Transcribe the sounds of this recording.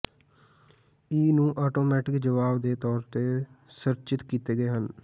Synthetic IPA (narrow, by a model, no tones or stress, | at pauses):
iːnũːʔɔːʈoːmɛːʈɪkd͡ʒəʋaːbd̪eːt̪ɔːɾt̪eːsəɾt͡ʃɪt̪kiːt̪eːɡəeːɦən